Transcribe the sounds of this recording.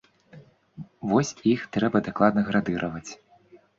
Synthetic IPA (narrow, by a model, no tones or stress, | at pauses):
vɔsʲixt̪ɾɛbɐd̪aklˠad̪nɐɣɾad̪ɨɾʔɐvɐt͡sʲ